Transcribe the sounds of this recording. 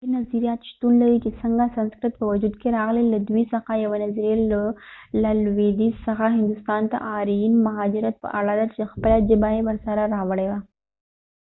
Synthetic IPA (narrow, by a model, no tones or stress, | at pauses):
inɐziɾijaːt̪ʃt̪unlɐɾikisɐŋɡasɐnskɾɪt̪̚pəʋɐd͡ʒud̪keɾaːɣleləd̪uisɐxajɐʋənɐzɾeləlɐlʋed̪isɐxaɦɪ̃nd̪ust̪aːnt̪a̰ʔaːɾiːnmɐɦaːd͡ʒɪɾət̪̚pə̰ʔa̰laːd̪at͡ʃexɐplad͡ʒɪbaɦebɐɾsaɾaɾaʋəɽeʋa